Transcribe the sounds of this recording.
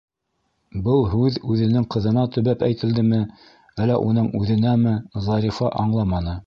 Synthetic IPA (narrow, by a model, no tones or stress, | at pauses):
bɤlˠɦʉðʉðɘ̆nɘŋqɤ̆ðɤ̆nɑt̪ɵ̆βæpæjt̪ɘ̆ld̪ɘmɘ | ælːæ̰ʔun̪ɤɴʉðɘ̆næmɘzɑɾifɑʔɑɴlˠɑmɑnɤ